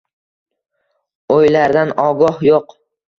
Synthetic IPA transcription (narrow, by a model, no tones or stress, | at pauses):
ojlaɾd̪anɒɡɒhjoq